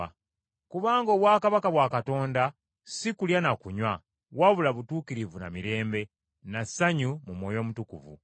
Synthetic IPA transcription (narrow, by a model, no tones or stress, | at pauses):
kuβaːŋɡo̞ːβwaːkaβakaβwakato̞ːnda | sikuljanakuɲwa | waβulaβutuːkiɾivuna̰miɾe̞ːmbe̞ | nasaɲumumwo̞ːjo̞ːmutukuvṵ